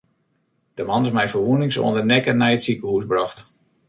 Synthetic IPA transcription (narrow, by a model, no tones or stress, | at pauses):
d̥əmɑnɪsmɛjfərʋunɪŋso̰əndərnɛkənɛjətsikəhusbrɔxt